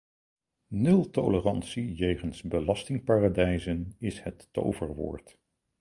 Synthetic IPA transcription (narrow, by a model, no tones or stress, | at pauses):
nɵlˠto̰lərɑnsijejχənsbəlɑstɪŋpaːradɛjzənɪshətːo̰wvəɹʋʊ̰ːɹt